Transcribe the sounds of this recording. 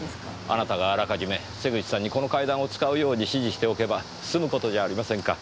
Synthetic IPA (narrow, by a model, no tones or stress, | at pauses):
a̰nat̪aɡaːɾakaʑime̞ | se̞ɡɯt͡ɕi̥sãɲ̟ːiko̞no̞kaid̪ãɰ̃o̞t͡sɨ̥kaɯ̟jo̞ːɲ̟iɕiʑiɕi̥t̪e̞o̞ke̞ba | sɨmɯ̟ko̞t̪o̞ʑaːɾʲimasẽ̞ŋka